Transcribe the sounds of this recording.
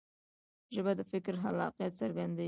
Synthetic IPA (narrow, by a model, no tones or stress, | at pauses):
ʒəbad̪əfɪkɾɦalɑ̰qjat̪saɾɡand̪a